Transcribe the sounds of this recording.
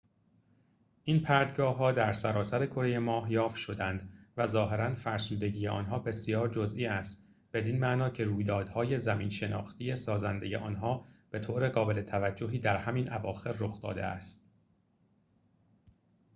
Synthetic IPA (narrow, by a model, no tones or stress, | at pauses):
ʔinpʰæɾd̪ɡɒːɦːɒːd̪æɾsæɾɒːsæɾe̞kʰo̞ɾe̞je̞mɒːhjɒːfʃo̞d̪ænd̪væzɒːɦe̞ɾænfæɾsuːd̪eɟiːjeʔɒ̰ːnɦɒːbe̞sijɒːɾd͡ʒozʔiːæst̪ | b̥e̞d̪iːnmæʔnɒːcʰe̞ɾuːjd̪ɒːd̪hɒːje̞zæmiːnʃe̞nɒ̰ːxt̪ijesɒːzænd̪e̞je̞ʔɒ̰ːnɦɒːb̥e̞t̪ʰoːɾe̞ɣɒːbe̞le̞t̪ʰævæd͡ʒːoɦiːd̪æɾhæmiːnʔævɒːxe̞ɾːoxd̪ɒ̰ːd̪e̞̰æ̰st̪̚